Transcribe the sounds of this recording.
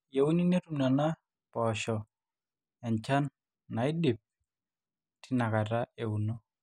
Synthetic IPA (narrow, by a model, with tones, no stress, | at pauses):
je˨wu˦ni˦ne˦tu˨mna˨na˦ | pɔ˨ʃɔ˨ | ɛ˨nt͡ʃa˦nː | a˨ɪ˦di˨p̚ | tɪ˦na˨ka˨ta˦e˨u˨no˦